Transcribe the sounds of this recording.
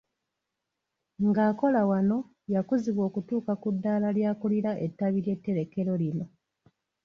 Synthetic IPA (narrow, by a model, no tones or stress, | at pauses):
ŋɡaːko̞lawano̞ | jakuziβwo̞ːkutuːkakudːaːlaljaːkuliɾaʔetːaβiɾje̞tːe̞ɾe̞ke̞ɾo̞lino̞